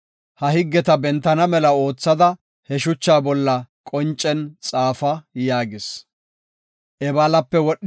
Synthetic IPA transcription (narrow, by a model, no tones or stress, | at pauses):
hɐhɪɡːɛt̪ɐbɛnt̪ːɐnɐmɛlɐo̞ːt͡sːɐd̪ɐ | hɛʃʊt͡ʃːaːbɔlːɐkʼɔnt͡ʃʼːɛnt͡sʼaːfɐjaːɡɪs | ʔɛbaːlɐpːɛwɔɗ